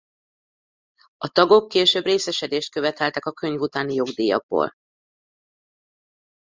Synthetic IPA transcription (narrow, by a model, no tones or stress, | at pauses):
ɒt̪ɒɡo̞kːeːʃøːbreːsɛʃɛd̪eːʃt̪̚køvɛt̪ɛlt̪ɛkɒkø̞ɲvut̪aːnijo̞ɡd̪iːjɒ̰ɡ̚bo̰ːl